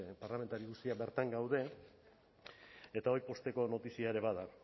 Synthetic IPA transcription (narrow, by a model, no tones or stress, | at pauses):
paɾlament̪aɾiɣust̪iabe̞ɾt̪aŋɡawðe̞ | e̞t̪ao̞jpo̞st̪e̞ko̞no̞t̪isiaeɾe̞βaða